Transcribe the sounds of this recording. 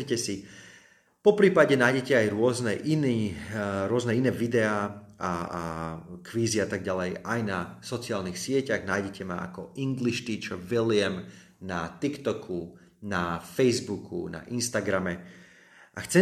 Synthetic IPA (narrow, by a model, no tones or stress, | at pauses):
icɛsi | pɔpɾiːpaɟɛnaːjɟɛcɛajɾʊɔznɛʔiniːɾʊɔznɛinɛːʋid̪ɛaːa | kʋiːziat̪aɡ̚ɟalɛjajnasɔt͡sɪaːlnixsɪɛcaɣnaːjɟɛcɛma̰a̰kɔʔiŋɡliʃt̪iːt͡ʃɔʋilɪɛm | nat̪ikt̪ɔkʰu | nafɛjzbukʰṵna̰ʔinst̪aɡɾamɛ | ʔaxt͡sɛ